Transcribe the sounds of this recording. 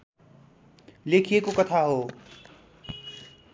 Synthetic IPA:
leːkʰiekokɐt̪ʰaɦoː

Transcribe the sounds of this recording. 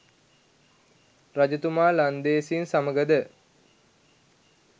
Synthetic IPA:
rad͡ʒɐt̪umaːland̪eːsinsaməɡəd̪ə

